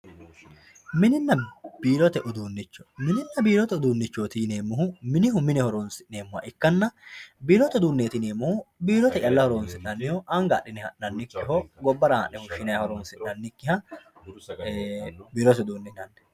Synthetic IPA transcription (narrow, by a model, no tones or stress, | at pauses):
mɪnɪnːɐb̥iːɾɔt̪ɛʔʊd̪uːnːɪt͡ʃːɔ̥mɪnɪnːɐbiːɾɔt̪ɛʊd̪uːnːɪt͡ʃːoːt̪iːneːmːʊɦʊmɪnɪɦʊmɪnɛhɔɾoːnsɪʔneːmːʊhɐ̰ʔɪkːɐnːɐbiːɾɔt̪ɛd̪uːnːeːt̪ɪneːmːʊhʊbiːɾɔt̪ɛt͡ʃɐlːɐhɔɾoːnsɪʔnɐnːɪhoʔɐŋɡa̰ːɗɪnɛhɐʔːɐnːɪkːɪɦɔɡɔbːɐɾɐhɐ̰ʔɛhʊʃːɪnɐjɐhɔɾoːnsɪʔɐnːɪkːɪhɐ | biːɾɔt̪ɛd̪uːnːɪnɐnːɛ̥